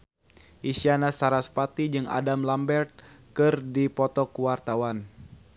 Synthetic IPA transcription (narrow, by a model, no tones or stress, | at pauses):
ʔisianasaɾaspat̪id͡ʒɨŋa̰damlambɛrt̪̚kɨrdipɔt̪ɔkuwart̪awan